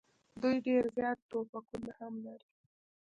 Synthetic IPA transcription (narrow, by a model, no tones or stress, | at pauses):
d̪ujɖeɾzjɑt̪ːopakunahamlaɾi